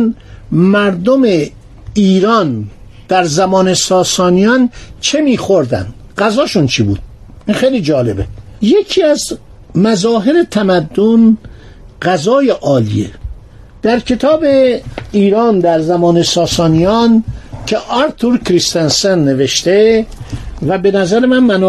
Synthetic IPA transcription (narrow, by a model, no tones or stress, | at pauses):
nmæɾd̪ome | iːɾɒːn | d̪̥æɾzæmɒːnesɒːsɒːnijɒnt͡ʃʰe̞miːxo̞ɾd̪æ̰nd̪ | ɢæzɒːʃunt͡ʃʰibuːd̪̥̚ | inxejliːd͡ʒɒːle̞bejekʰiːæz | mæzɒːɦe̞ɾet̪ʰæmæd̪ːon | ɢæzɒːjeʔɒːlḭḛ | d̪̥æɾcʰe̞t̪ʰɒːbe̞iːɾɒːnd̪æɾzæmɒːnesɒːsɒːnijɒncʰe̞ʔɒɾt̪ʰuɾkʰɾist̪ensenːe̞ve̞ʃt̪e | væbe̞næzæɾemænmæn